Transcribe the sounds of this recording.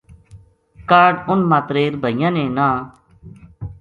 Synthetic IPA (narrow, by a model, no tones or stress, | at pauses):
kaːɾɖʊnmaːt̪ɾeːɾbʱəɪjãːnẽːnãː